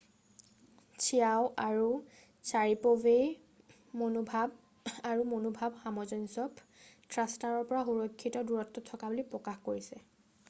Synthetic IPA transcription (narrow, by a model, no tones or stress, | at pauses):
t͡ʃʰijaʊʔaɹu | saɹipobej | monbʱab | aɹumonubʱabxamɔzɔnsɔp | tɹastaɹɔɹpɔɹaxuɹɔkʰːitɔduɹɔtːɔtʰːɔkabulipɹɔkaxkoɹisɛ